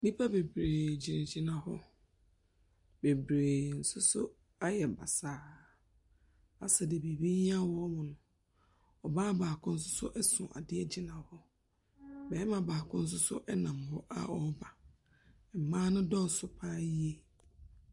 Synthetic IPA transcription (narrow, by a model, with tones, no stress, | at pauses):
mĩ˦pʰa˦be˨bɾe˨d͡ʑi˨nɪ̃˨d͡ʑi˦nã˨hɔ̰˦ | be˨bɾe˨n̩˨sʊ˦sʊ˦ | a˦jɛ˨ba̰˨saː˨˦ | a̰˨sɛ˨de˨be˨bi˦ɲi˦a˦wɔ˦mʊ̃˨nʊ̃˨ | ɔ˨baː˦baː˨kʰʊ̃˦n̩˦s̬ʊ˦sʊ̰˦ʔɛ˦sʊ̰̃˨ʔa̰˨dɪ˦ɛ˦d͡ʑi˨nã˨hɔ˦ | bɛ˨˦mã˨baː˨kʊ̃˦n̩˦s̬ʊ˦sʊ˦ʔɛ˦nã˨mhɔ˦ʔa̰˨ɔ˦ba˨ | m̩˨mãː˦nʊ̃˦dɔ˦˨sʊ˨pʰaː˦ji˦e˦